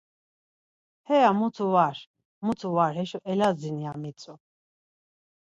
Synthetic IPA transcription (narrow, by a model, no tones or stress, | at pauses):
hɛamut̪ʰuvaɾ | mut̪ʰuvaɾhɛʃɔʔɛlazinijamit͡sʼu